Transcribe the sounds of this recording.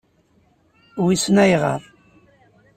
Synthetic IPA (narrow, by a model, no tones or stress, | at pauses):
wisnæjʁə̰ɾˤ